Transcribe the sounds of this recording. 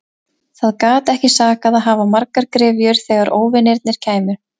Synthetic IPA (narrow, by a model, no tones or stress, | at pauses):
θaðkaːt̪ɛhcɪsaːkaðaðɦaːvamaɾkaɾkɾɪːvjʏɾ̥θɛɣaɾʔoːwvɪnejɾt̪̚nɪɾ̥cʰaːjmʏ̥